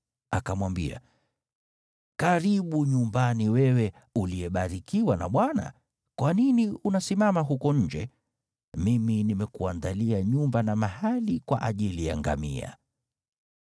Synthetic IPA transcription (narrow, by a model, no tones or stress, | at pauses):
akamwambia̰ | kaɾiɓuɲumbaniwɛwɛ | uliɛɓaɾikiwana̰ɓwana̰ | kwaniniunasimamaɦukɔɲ̩d͡ʒɛ | miminimɛkuandaliaɲumbanamahalikwa̰ʔaʄilija̰ŋɡa̰mḭa̰